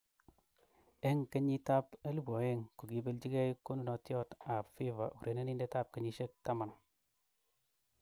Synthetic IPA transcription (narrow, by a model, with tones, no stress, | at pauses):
e˦ŋke˦ɲi˦ta˦pe˦lu˦bɔ˨e˦ŋku˨ki˨be˦lt͡ʃi˦ke˦i˦ko˦nu˦nɔ˨tjɔ˦ta˨fi˦va̰˨ʔu˨ɾʔe˨˦ne˦ni˦nde˦ta˦˨p̚ke˨˦ɲi˦ʃe˦k̚ta˦ma˨n˨